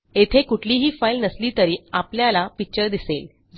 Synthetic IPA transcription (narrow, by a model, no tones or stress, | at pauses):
et̪ʰekuʈʰliːɦiːfailnəsliːt̪əɾiːapljalapik̚t͡ɕəɾd̪isel | d͡z